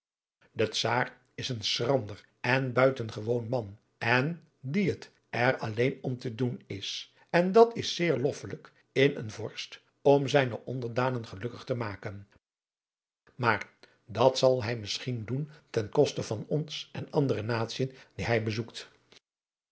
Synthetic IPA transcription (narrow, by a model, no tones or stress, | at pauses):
dətsaːr | ɪsənsrɑndər | ɛnbœɥtənχəʋownmɑn | ɛn | diət | ɛɹɑlejnɔmtədunɪs | ɛndɑtɪsɪːɹlɔfələk | ɪnə̰nvɔɹst | ɔmzɛjnəʔɔndəɹdaːnənχəlɵkəχtəmaːkən | maːɹ | dɑtsɑlˠɦɛjmɪsχinduntɛnkɔstəv̥ɑnɔnsʔɛnɑndərənaːtsiəndiɦɛjbəzukt